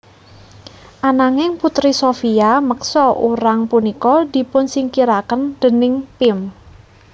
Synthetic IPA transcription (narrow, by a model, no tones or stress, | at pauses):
ʔanaŋɪŋput̪ɾisofiaməksɔʔuɾaŋpunikɔd̪̥i̤pʊnsiŋkiɾakənd̪̥ə̤nɪŋpɪm